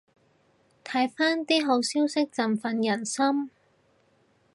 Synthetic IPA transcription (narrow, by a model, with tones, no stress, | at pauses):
t̪ʰɐ˨˥jfaː˥nt̪iː˥ɦo˨˥wsiː˥wsɪ˥k̚t͡sɐ˨mfɐ˧njɐ˨˩nsɐ˥m